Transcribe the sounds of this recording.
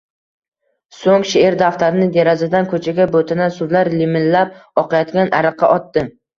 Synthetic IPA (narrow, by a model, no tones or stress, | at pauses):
soŋʃɪeɾd̪aft̪aɾɪnɪd̪eɾazɪd̪ankʰɵt͡ʃʰaɡʲabot̪ʰɪnasʊzlaɾlɪmɪnlap̚ɒqʰɑjɒt̪ɡʲanʔaɾɨqʰːɑʔɒt̪ːɪ